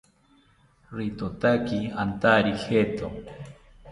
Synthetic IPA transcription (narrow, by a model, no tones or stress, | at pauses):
ɾit̪ot̪akiant̪aɾixet̪o̰